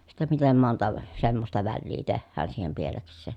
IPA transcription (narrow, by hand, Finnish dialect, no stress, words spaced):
sitːe mitem montɑ semːostɑ ʋælːiː tehːæːn siːhem pieleksˑeˑ